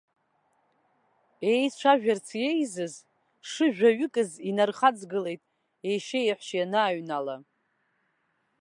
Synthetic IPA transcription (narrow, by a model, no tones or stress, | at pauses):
e̞jt͡ʃʷʰaʒᶣart͡sʰje̞jzɨz | ʂɨʒᶣaɥʏkʼɨzinarχad͡zɡɨle̞jtʼ | ejʃejħʷʃjanaːɥnala